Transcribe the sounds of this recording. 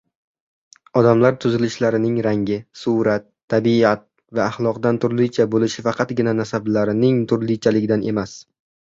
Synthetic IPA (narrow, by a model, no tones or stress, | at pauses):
ɒd̪amlaɾt̪ʰʊzɪlɪʃlaɾɪnɪŋɾaŋɡʲɪsʊɾat̪ʰːabiat̪̚ | vaːχlˠɒqd̪ant̪ʰʊɾlɪjt͡ʃʰabolɪʃɪfɑqʰɑt̪ɡʲɪnanasablaɾɪnɪŋt̪ʰʊɾlɪjt͡ʃʰalɪɡʲɪd̪anʔe̞mas